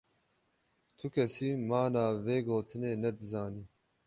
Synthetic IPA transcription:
t̪ʰʊkʰɛsiːmaːnaːveːɡoːt̪ʰɨneːnɛd̪ɨzaːniː

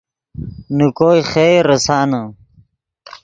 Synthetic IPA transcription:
nukoːjχeːɾɐsaːnɐ

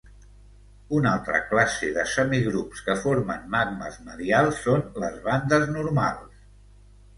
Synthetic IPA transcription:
unalˠt̪ɾə̰klaseðəsəmiɣɾupskəfoɾmənːaɡ̚nə̰zməðialˠsːonləzβand̪əznuɾma̰lˠs

